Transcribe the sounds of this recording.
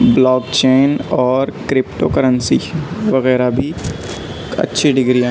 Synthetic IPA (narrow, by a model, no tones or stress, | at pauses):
blɔːkt͡ʃeːnɔːɾkɾɪpʈokɐɾə̃nsiʋɐɣɛːɾabʱi | ɐ̰tːʃʰiɖɪɡɾia